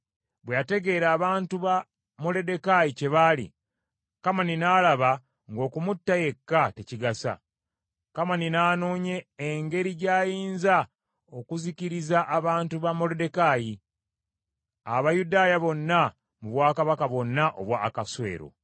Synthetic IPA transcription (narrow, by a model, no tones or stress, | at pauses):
βwejate̞ɡe̞ːɾaːβaːntuβa | mo̞le̞de̞kajice̞βalḭ | kamaninaːlaβa | ŋɡo̞ːkumutːaje̞kːate̞ciɡasa̰ | kamaninaːno̞ːɲe̞ːŋɡe̞ɾiɟaːjiːnza | okuziciɾizaʔːβaːntuβamo̞lede̞kaji | a̰βajudaːjaβo̞nːa | muβwaːkaβakaβo̞nːaʔo̰βwaːkaswe̞̰ːɾo̞̰